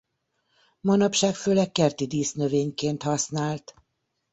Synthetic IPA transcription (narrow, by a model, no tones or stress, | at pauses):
mɒnɒpʃaːkføːlɛkːɛrt̪id̪iːsnøveːɲkeːnt̪hɒsnaːlt̪